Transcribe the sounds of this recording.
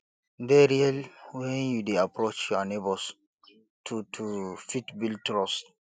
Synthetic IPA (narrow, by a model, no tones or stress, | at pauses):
dɛɾialwɛ̃njudeapɾot͡ʃjɔnebɔs | tʰutʰufitbiltɾɔst